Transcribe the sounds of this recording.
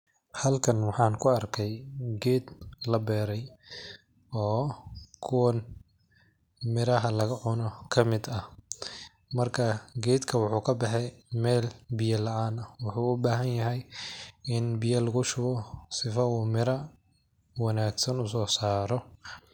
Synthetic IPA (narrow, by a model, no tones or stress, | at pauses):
hɐlkʰɐnwɑħɑːŋkʰʊɐrkʰɛjɡɛːd̪̥lɐbɛːɾɛj | ɔːkʰʊwɐn | mɪɾɐɦɐlɐɣɐʕʊnɔkʰɐmɪd̪ɐh | mɐrkʰɐɡɛːd̪kʰɐwʊħuːkʰɐbɛħɛjmɛːlbɪjɐlɐʔaːnɐwʊħuːʊbaːɦɐnjɐɦɛj | ɪnbɪjɐlɐɣʊʃʊɣɔsɪfɐuːmɪɾɐ | wɑnaːɡsɐnʊsɔːsaːɾɔ